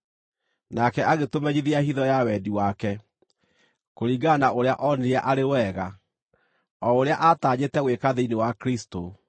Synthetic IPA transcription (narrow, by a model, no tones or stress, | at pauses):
nakɛaɣetomɛɲiðiahiðɔjawɛdiwakɛ | koɾiɡanaoɾea̰ʔɔneɾaʔaɾewɛɣa | ɔoɾeaʔataːɲetɛɣwekaðeinewakɾisto